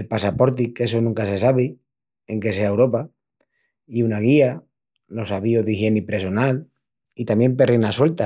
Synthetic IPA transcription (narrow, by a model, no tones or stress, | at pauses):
elpasapo̞ɾt̪ike̞s̬onũŋkase̞saβ̞i | e̞ŋke̞se̞aewɾo̞pa | iunaɣ̞ia | lo̞saβioðixje̞nipɾe̞so̞nal | it̪amje̞mpe̞renaswe̞lt̪a